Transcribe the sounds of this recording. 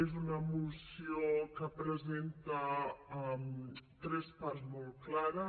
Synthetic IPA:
ezunəmusiokəpɾəzent̪əɛmt̪ɾɛspaɾzmolˠklaɾə

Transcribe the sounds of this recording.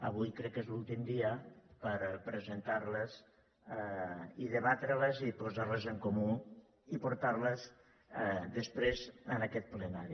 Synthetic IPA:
ə̰βujkɾɛkːezlulˠt̪imd̪iəpəɾpɾəzənt̪aɾləz | iðəβat̪ɾələzipozaɾləzəŋkomu | ipuɾt̪aɾləz | d̪əspɾezənəkɛt̪̚plənaɾi

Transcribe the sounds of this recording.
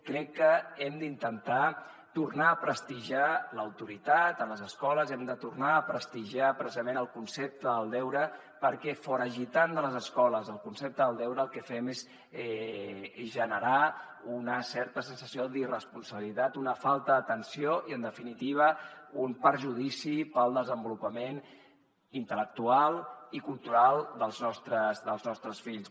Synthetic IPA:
kɾɛkːəɛmd̪int̪ənt̪a | t̪urnaːpɾəst̪iʒaləwt̪uɾit̪at̪ələzəskɔləzɛmd̪ət̪urnaːpɾəst̪iʒapɾəsizəmenəlˠkunsep̚t̪əðəlˠd̪ɛwɾə | pəɾkɛfɔɾəʒit̪and̪ələzəskɔləzəlˠkunsep̚t̪əðəlˠd̪ɛwɾəːlˠkɛfɛmez | ɛ | ʒənəɾa | unəsɛɾt̪əsənsəsioðirəspunsəβilit̪at̪unəfalˠt̪əðət̪ənsijoʔiənd̪əfinit̪iβ̞əumpəɾʒuðisipəlˠd̪əzəmbulupəmen | int̪ələk̚t̪ualˠikulˠt̪uɾalˠd̪əlˠznɔst̪ɾəzd̪əlˠznɔst̪ɾəsfiʎs

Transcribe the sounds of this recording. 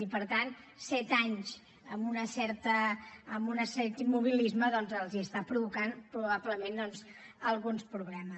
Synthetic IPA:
ipəɾt̪an | sɛt̪aɲz | əmbunəsɛɾt̪əːmbunəsɛɾt̪imuβ̞ilizməðɔnzəlˠziəst̪apɾuβukanpɾuβapləmend̪ɔnz | əlˠɣunspɾuβlɛmə

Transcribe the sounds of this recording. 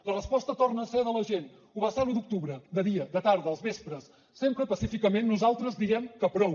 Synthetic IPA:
lərəspɔst̪ət̪ornəːseðələʒen | uβəsalud̪uk̚t̪uβɾəd̪əðiəd̪ət̪aɾðəəlˠzβespɾəsː | empɾəpəsifikəmenːuzalˠt̪ɾəzd̪iɣɛmkəpɾɔw

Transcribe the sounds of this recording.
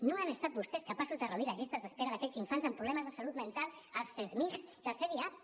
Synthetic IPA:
noanəst̪at̪̚bust̪ɛskəpasuzðərəuðiləʒist̪əzðəspeɾəðəkɛziɱfanzəmpɾuβlɛməzðəsalut̪mənt̪alˠəlˠsfezmisiəlˠseβia

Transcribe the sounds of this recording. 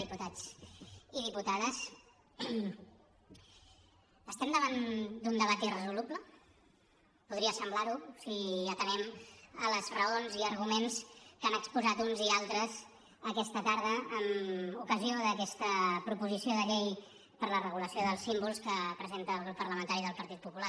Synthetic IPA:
iput̪ad͡z | iðiput̪aðəs | əst̪ɛmd̪əβand̪und̪əβ̞at̪irəzuluplə | puð̞ɾiəsəmblaɾusiət̪ənɛmələzrəonziəɾɣumenskanəkspuzat̪unzialˠt̪ɾəz | əkɛst̪ət̪aɾðəːmukəzioðəkɛst̪əpɾupuzisioðəʎej | pəɾlərəɣ̞uləsioðəlˠsːimbulˠskəpɾəzent̪əːlˠɣɾupːəɾləmənt̪aɾiðəlˠpəɾt̪it̪̚pupula

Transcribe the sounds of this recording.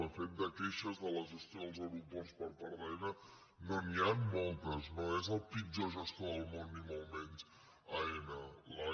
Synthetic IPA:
əfet̪̚d̪əkɛʃəzðələzəst̪joðlˠzəwɾupɛwspəɾpəɾðɛnə | nonianmolˠt̪əznoezəlˠpid͡ʒozəst̪oəlˠmonːimolˠmɛnz | aenəla

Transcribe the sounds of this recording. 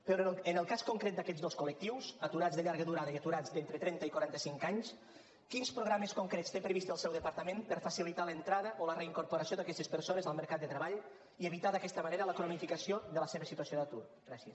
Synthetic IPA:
peɾənəlˠkaskoŋkɾɛt̪̚d̪əkɛzdoskolək̚t̪iwzɐt̪uɾad͡zzðəʎaɾɣəðuɾaðəiat̪uɾad͡zd̪ent̪ɾət̪ɾɛnt̪əikwaɾant̪əsiŋkaɲs | kinspɾoɣɾaməskoŋkɾetst̪epɾəβist̪əlˠsɛwðəpəɾt̪əmẽmpəɾfasilit̪alənt̪ɾaðəʔoləreiŋkoɾpoɾasioðakɛst̪espəɾsonezəlˠməɾkat̪d̪ət̪ɾəβaʎ | ieβit̪aðəkɛst̪əməneɾələkɾonifikəsioðələseβəsit̪uəsijoðat̪uɾɡɾasiəs

